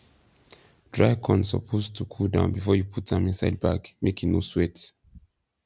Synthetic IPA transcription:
d̥ɹaɪkʰɔ̰̃nsɔ̰pʰoztʰukʰudã̰ʊ̃nbifɔjupʰutãmĩnsaɪd̚ba̰kmʔekino̰swɛt

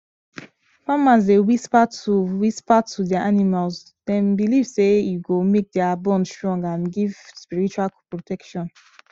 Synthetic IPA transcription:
famazdewispatuwispatʰudɛaʔanimals | dɛ̃mbilivsejuɡomek̚dɛabɔ̃nstɹɔ̃ŋɡãnɡivspiɹit͡ʃualpɹotɛkʃɔ̃n

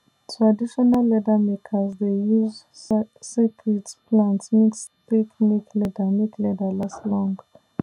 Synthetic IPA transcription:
tʰɹadiʃɔnalːɛdamekʰəzdejuz | sekʰɹitplãntsmiks | tekniklɛdəmeklɛdəlaslɔ̃ŋɡ

